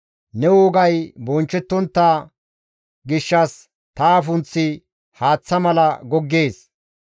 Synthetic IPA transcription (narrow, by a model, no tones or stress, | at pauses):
nɛwʊːɡɐjbɔnt͡ʃːɛt̪ːɔnt̪ːa | ɡɪʃːɐs | t̪aːfʊnt͡sːɪ | haːt͡sːɐmɐlɐɡɔɡːe̞ːs